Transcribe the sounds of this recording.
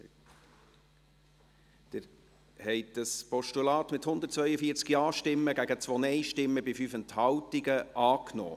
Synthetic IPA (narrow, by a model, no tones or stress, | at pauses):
d̥̪ɪɾ | hɛɪd̥əspɔʃtulɑːt̪mɪthʊnd̪əɾt̚t͡svœʏəfiːɾt͡skiɑːʃtɪmːəɡæɡət͡sʋɔnɛɪʃtɪmːəbɪfyfɛnthɑwtiɡəʔɑːknɔ̰ː